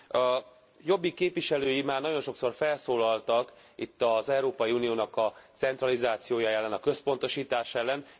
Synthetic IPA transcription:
ɒ | jo̞bːikeːpvʋiʃɛløːjimaːrnɒɟo̞nʃo̞kso̞rfɛlsoːlɒlt̪ɒk | it̪ːɒzɛuɾoːpɒjiuːnijoːnɒkɒt̪sɛnt̪rɒlizaːt̪sijoːjaːjɛlːɛnɒkø̞spo̞nt̪o̞ʃiːt̪aːʃɛlːɛn

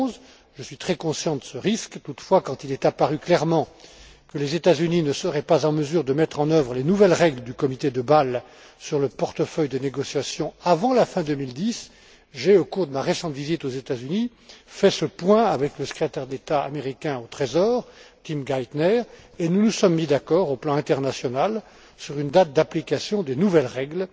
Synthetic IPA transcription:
z | ʒəsɥit̪χɛkɔ̃sjɑ̃td̪əsəʁiskt̪ut̪fwakɑ̃t̪ilɛt̪apaʁyklɛʁmɑ̃ | kəlezet̪azyninəsəʁɛpazɑ̃məzyʁd̪əmɛt̪χɑ̃nœvʁəlenuvɛlʁɛɡləd̪ykɔmit̪ed̪əbal | syʁləpɔʁt̪əfœjd̪əneɡɔsjasjɔ̃avɑ̃lafɛ̃d̪ømild̪is | ʒeokuʁd̪əmaʁesɑ̃t̪vizit̪ozet̪azyni | fɛsəpwɛ̃avɛkləsə̥kχet̪ɛʁd̪et̪aa̰meʁikʲɛ̃ot̪χezɔːʁt̪imɡajt̪nɛʁenunusɔmːid̪akɔʁoplɑ̃ɛ̃t̪ɛʁnasjɔnal | syʁynd̪at̪̚d̪aplikasjɔ̃d̪enuvɛlʁɛɡl

